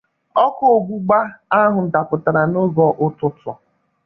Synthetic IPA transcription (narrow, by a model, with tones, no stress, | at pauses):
ɔ˦ko˦o˨ɡ͡bu˦ɡ͡ba˦a˦ɦʊ˨da˨pʊ˨ta˨ɾa˨no˦ɡɔ˨ʔʊ˦tʊ˦tɔ̰˨